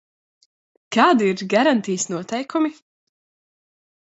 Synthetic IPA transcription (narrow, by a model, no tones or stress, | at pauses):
kaːd̪iiɾɡaɾant̪ijsnuɔt̪ɛjkʰumi